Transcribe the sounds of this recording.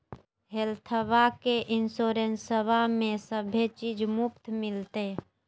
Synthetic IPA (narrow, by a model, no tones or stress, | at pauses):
ɦelt̪ʰəbakeʔɪnsoɾensəbamẽsəbʱet͡ʃid͡ʒmupt̪mɪlt̪e